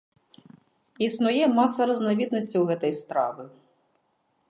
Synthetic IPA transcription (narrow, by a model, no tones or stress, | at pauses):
isnʊjɛmɑsɐɾɐznɐʋʲid̪nɔsʲtʲiwɣɛt̪ɔjst̪ɾɑ̰ʋɨ